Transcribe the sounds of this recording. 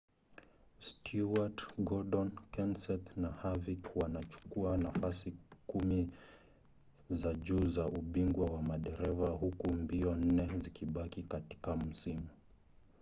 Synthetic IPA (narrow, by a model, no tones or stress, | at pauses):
stʰuatɡɔɗɔnkɛnsɛtnahavikwanat͡ʃu̥kuanafasikumi | zaʄuːzaʔuɓiŋɡwawamaɗɛɾɛvahukumbiɔn̩nɛzikiɓakikati̥kam̩simu